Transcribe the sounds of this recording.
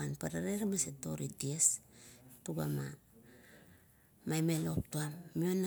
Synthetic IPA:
anpaɾaɾeɾmaseto̞̰ɾidies | tuɡa̰ma | majmelo̞p̚tuamːiona

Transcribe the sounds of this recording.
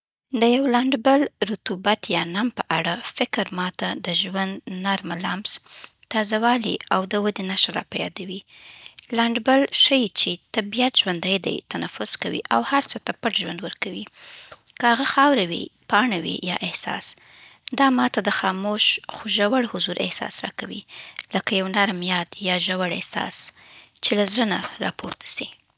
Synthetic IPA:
d̪əjawlaɳɖbəlɾʊt̪ubat̪jɑnampəʔaɽafɪkɾmɑt̪ad̪əʒwand̪naɾmalamzt̪ɑzawɑlḭawd̪əwəd̪enaʃaɾɑ̰pajɑ̰d̪awi | laɳɖbəlʃəjt͡ʃet̪abijat̪ʒwand̪ajd̪a̰jt̪anafʊzkawḭʔawhaɾt͡sət̪apaʈʒwand̪wəɾkawi | kəhaɣaxɑwɾawḭpɑɳawḭjɑʔɪhsɑ̰s | d̪ɑmɑt̪ad̪əxɑmoʃxoʒawaɽhʊzuɾʔɪ̰hsɑ̰sɾɑ̰kawḭləkajawnaɾamijɑd̪jɑʒawaɽehsɑ̰s | t͡ʃelazɾənaɾɑ̰poɾt̪ḁsi

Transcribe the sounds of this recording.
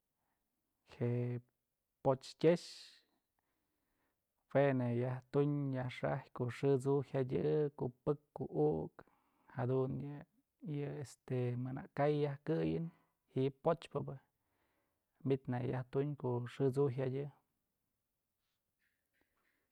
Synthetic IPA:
heʔ | pot͡ʃkʲeʃ | wenajaht̪uɲjahʂa̰hjkoʔʂɨt͡suhadʲɨkoʔpɨkːoʔuk | had̪unjɨ | jɨest̪emɨna̰ʔkajːahkɨjɨn | hiʔpot͡ʃpɨbɨ | mbit̪najaht̪uɲkoʔʂɨt͡suɦadʲɨ

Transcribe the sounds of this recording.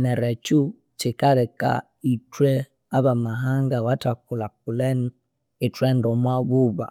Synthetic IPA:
nɛɾɛt͡ʃu | t͡ʃikaɾɛka̰ | itwɛ | aβamaɦaŋɡawatakulak̚ulɛn | itwɛndɔmwaβuβa̰

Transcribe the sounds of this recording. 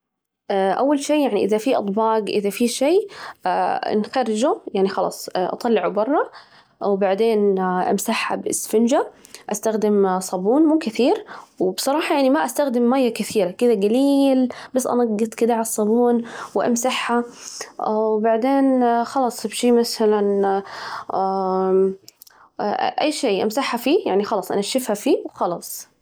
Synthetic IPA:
ʔawːalʃeːjaʕniʔɪðafiʔɑ̰t̪ˤbɑːɡʔɪðafiʃeː | nxɑɾːɪd͡ʒujaʕnixɑlɑ̰ːsˤʔɑ̰t̪ˤɑlːɪʕubɑrˤːɑ | wbaʕd̪eːnʔa̰msaħa̰bɪ̰sfɪnd͡ʒaʔast̪axd̪ɪmsˤɑbuːnmuːkɪθiːɾwbsˤɑɾˤɑːħɑjaʕnimaʔast̪axd̪ɪmːaːjːakɪθiːɾakɪd̪aɡaliːlbasːʔa̰nɑɡːɨt̪ˤkɪd̪aʕalɑsˤːɑbuːnwʔa̰msaħːa | wbaʕd̪eːnxɑlɑːsˤbʃiːmaθalan | ʔajːʃeːʔa̰msaħːafiːjaʕnixɑlɑːsˤʔa̰naʃɪfhafiːwxɑlɑːsˤ

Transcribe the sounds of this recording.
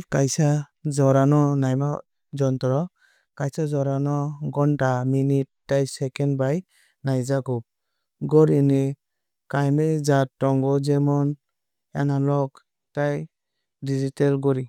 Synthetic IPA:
kajsazɔɾanɔnajma | d͡ʒɔntɔɾɔ | kajsazɔɾanɔɡɔntaminit̚ːajsɛkɛnbaj | najzakɔp̚ | ɡɔɾini | kajmezatːɔŋɡɔzɛmɔn | ɛnalɔk | taj | dizitɛlɡɔɾi

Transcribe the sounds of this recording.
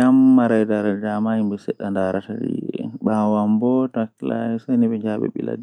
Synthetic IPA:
amːaɾajdaɾadamaimbɛsɛɗːandaɾatadḭɛɓawambɔtakla̰ɛsajniɓɛɲd͡ʒaɓɛ̰ɓila̰di

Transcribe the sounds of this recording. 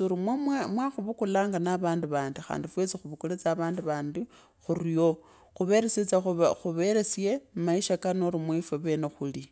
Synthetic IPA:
uɾimwemmwaxuβukulaːŋɡanaβaːndiβaːndixa̰ːndifwet͡sixuβukulet͡saːβaːndiβaːndi | xurijo̞ | xuβe̞ɾeset͡saxuβeɾe̞sjemaiʃakanoɾimwifeβe̞ːnexuli

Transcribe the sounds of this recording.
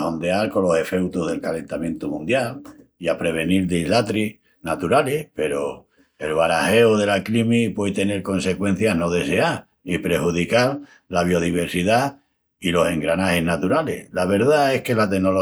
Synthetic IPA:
o̞nd̪ealko̞nlo̞se̞fe̞wt̪oɦðe̞lkale̞nt̪amje̞nt̪umũnd̪jaliapɾe̞β̞e̞niɾðeilat̪ɾi | nat̪uɾalehpe̞ɾo | elβaɾahe̞oðe̞laklimipwet̪e̞ne̞ɾko̞nse̞kwẽ̞n̟θjano̞ðe̞se̞a | ipɾe̞huð̞ikal | laβ̞io̞ð̞iβ̞e̞ɾsiða | ilo̞se̞ŋɡɾanahe̞hnat̪uɾalḛlaβ̞e̞ɾðaehke̞lat̪e̞no̞lo

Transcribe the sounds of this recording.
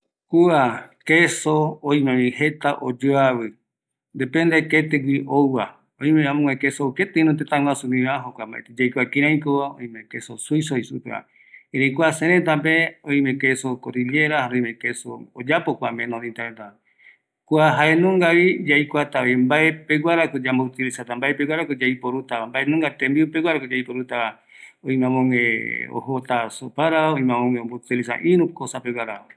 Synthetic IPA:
kuakesõːj̃mẽmĩhet̪aʔod͡ʒoaβɨ | nd̪epend̪eket̪eɡʷiʔowwa | õj̃mẽãmõŋʷekesouket̪eĩnõt̪̬et̪ãŋwasũmĩβãɦokʷamba̰ḛt̪ed͡ʒajkʷakĩɾ̃ãĩkoaõ̰j̃mẽkesosuisoisupḛa̰ | iɾejkʷaseɾet̪apeoj̃mekesokoɾiljeɾahaɾoĩmẽkesood͡ʒapokʷamẽnõðĩnt̪aɾet̪a | kuaɦaenũŋɡaβid͡ʒajkʷat̪aoimbaepeɡʷaɾakod͡ʒambout̪ilisat̪ambaepeɡʷwaɾakod͡ʒaipoɾut̪aambaenũŋɡat̪ẽmbiupeɡʷaɾakod͡ʒaipoɾut̪a | oĩmãmõŋẽo̰hot̪asopaɾaoĩmãmõŋẽombot̪ilis̬a̰ʔĩɾũkosapeɡʷaɾaa

